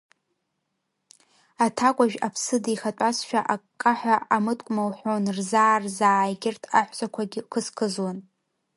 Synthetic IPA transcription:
atʰakʷʼaʒᶣapʰsɨdiχatʷʼasʃᶣaʔakʼːaħʷaamɨtʼkʷʼmawħʷonrzaːrzaːʕajɡʲɪrtʰaħʷt͡sʷʼakʷʰaɡʲɪkʰɨskʰɨzwan

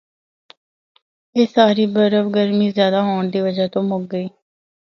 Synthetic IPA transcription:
eːsaːɾiːbəɾəʋɡəɾmiːzjaːd̪aːɦoːɳd̪iːʋəd͡ʒat̪õːmʊɡ̚ɡəiː

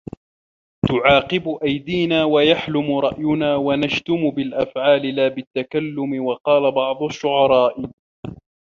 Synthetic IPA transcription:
t̪ʊʕɑːqɪbʊʔajd̪iːnaːwajaħlʊmʊɾˤɑʔjʊnaːwanaʃt̪ʊmʊbɪlʔafʕaːlɪlaːbɪt̪ːakalːʊmɪwɑqɑːlabɑʕd̪ˤʊʃːʊʕɑɾˤɑːʔɪ

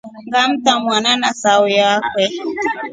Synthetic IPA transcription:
ŋɡam̩tamwananasawujakwɛ

